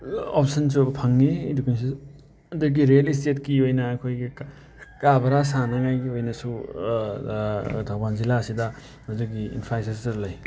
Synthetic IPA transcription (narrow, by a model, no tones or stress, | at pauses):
op̚sɐns̬ubɐpʰɐŋːidukins̬i | ɐduɡiɾlis̬tetkiojnɐːkʰojɡi | kabɐɾasanɐŋajɡiojnɐsu | dʰʱawbanzilasidɐ | hɐziɡiḭnpʰajsastɐɾlɐj